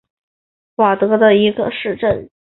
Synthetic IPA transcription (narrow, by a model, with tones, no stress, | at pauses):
kwa˨˩t̪ɤ˧˥d̪ə˧i˧˥ɡə̰˧ʂɻ̩˥˧ʈ͡ʂə˥˩n